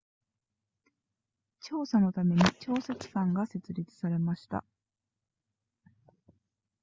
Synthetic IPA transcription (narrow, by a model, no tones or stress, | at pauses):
t͡ɕo̞ːsano̞t̪ame̞ɲ̟it͡ɕo̞ːset͡sɨ̥kãŋɡase̞t͡sɨɾʲit͡sɨ̥saɾe̞maɕi̥t̪a̰